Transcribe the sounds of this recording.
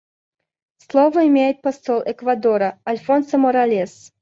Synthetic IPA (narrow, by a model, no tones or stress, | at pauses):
slˠovəimʲejɪt̪̚pɐsɔlˠʔɛkvad̪ɔɾɐɐlʲfɔnsəmɔɾalʲes